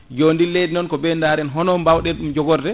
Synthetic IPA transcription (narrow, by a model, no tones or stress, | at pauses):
d͡ʒoːndilejdinɔnkɔbɛndaɾɛnɦɔnɔmbawɗɛɗumd͡ʒɔɡɔɾdɛ